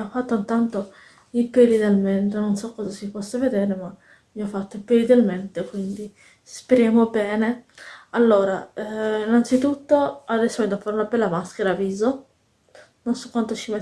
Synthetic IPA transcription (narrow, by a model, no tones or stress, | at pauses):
iɔfːat̪ːont̪ant̪o | ipɛlid̪elmɛnt̪ononsɔkːɔːzasipɔsːaved̪ɛːɾema | miɔfːat̪ːoipelid̪elment̪ekwind̪i | speɾjaːmobɛːnealːoːɾainːant̪sit̪ut̪ːoad̪ɛsːovɛd̪afːaːɾunabɛlːamaskeɾaːviːzo | nonsokːwant̪ot͡ʃimɛ